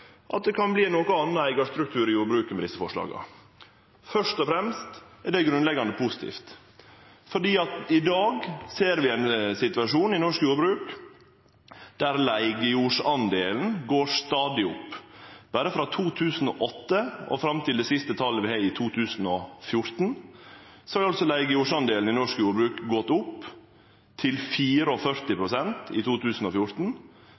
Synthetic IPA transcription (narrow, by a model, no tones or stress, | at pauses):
ʔɑ̰t̪̚d̪ɛkʰɑnbliːnoːkəɑnːəæɪɡɑʂt̪ɾʉk̚t̪ʰʉːɾɪjuːɾbɾʉːkəmɛd̪ɪsːəfɔʂlɑ̰ːɡə̰ | fœʂt̪ɔfɾɛmst̪æɖɛɡɾʉnlɛɡːɑnd̪əpʰʊsɪ̥t̪ʰḭːft̪ | fɔɖiːɑt̪ɪd̪ɑːɡseːɾʋɪæɪnsɪt̪ʉɑʂuːnɪnɔʂkjuːɾbɾʉːk | d̪̥æɾlæɪɡəjuːʂɑnd̪eːln̩ɡoːɾʂt̪ɑːd̪ɪʊpːb̥æːɾəfɾɑːt̪ʰuːt̪ʰʉːsn̩ɔʔɔt̪ːəɔ̰fɾɑmt̪ʰɪld̪ɛːsɪst̪ət̪ʰɑlːəʋɪhæɪɪt̪ʰuːt̪ʰʉːsn̩ɔfjʊɾt̪n̩ | sɔhɑɑlsɔlæɪɡəjuːʂɑnd̪eːln̩ɪnɔʂkjuːɾbɾʉːkɡɔt̪ːʊpː | t̪ʰɪlfiːɾəɔfœɾt̪ɪpʰɾʊsɛnt̪ɪ̰t̪ʰuːt̪ʰʉːsn̩ɔfjʊɾt̪n̩